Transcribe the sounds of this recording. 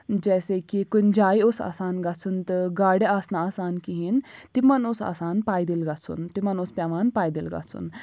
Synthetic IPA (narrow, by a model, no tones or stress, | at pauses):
d͡ʒɛːsekikund͡ʒaːiosa̰ːsaːnɡɐt͡sʰunt̪ɨɡaːɽeaːsnaaːsaːnkiɦint̪imɐnosa̰ːsaːnpaːjd̪ilɡɐt͡sʰṵnt̪imɐnospʲaʋaːnpaːjd̪ilɡɐ̰t͡sʰṵn